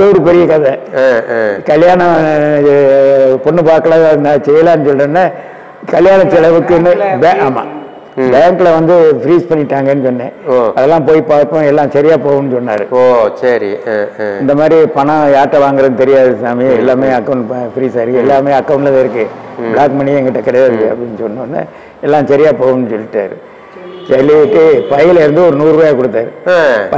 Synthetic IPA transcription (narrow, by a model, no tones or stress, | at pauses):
ðɐʋɐɾɯpɛɾɪjɐkɐðɐ | kɐljaːɳɐ̃ | pɔɳːɯpaːɾkɐlãːnat͡ʃɛjɐlaːnːɯsɔlɐnːa | kɐljaːɳɐt͡ʃɛlɐʋɯkːɯnːɯbɛaːmːa̰ː | bɛːŋkɯlɐʋɐnd̪ɯfɾiːspɐɳːɪʈːaːŋɡɐnːɯsɔnːẽːoɐðɛlːãːpoːjipaːɾpːõɛlːãːsɐɾɪjaːpoːʋɐ̃nːɯsɔnːa̰ːɾɯoːsɐɾiɪnd̪ɐmaːd̪ɾipɐɳɐ̃jaːʈːɐʋaːŋɡɯɾɐðɯt̪ɛɾɪjaːðɯsaːmɪɛlːaːmeːɐkːɐʊ̃ɳʈpɐfɾiːsaːɪɾɛlːaːmeːɐkːɐʊɳʈlɐðɪɾɯkːɯbɭaːkmɐɳɪɛ̃ŋɡɐʈːɐkɐɽɐjaɾɯɐ̰pːɐɽɪnːɯsɔnːɯɔnːa̰ | ɛlːãːsɐɾɪjaːpoːʋɐnːɯsɔlːɪʈːa̰ːɾɯ̰ | sɐlːiʈːɯpɐjɐɪlɐɪɾɯnd̪ɯɔɾɯnuːɾʋɐːjakɔɽɯt̪ːaːɾɯp